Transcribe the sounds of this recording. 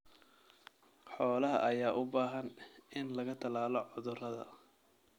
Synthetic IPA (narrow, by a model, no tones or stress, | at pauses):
ħɔːlɐɦɐ̰ʔɐjaːʔʊbaːɦɐnɪnlɐɣɐt̪ʰɐlaːlɔʕʊðʊrɐðɐ̰